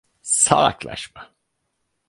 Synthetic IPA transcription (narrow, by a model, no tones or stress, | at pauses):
sa̰lˠa̰klˠa̰ʃma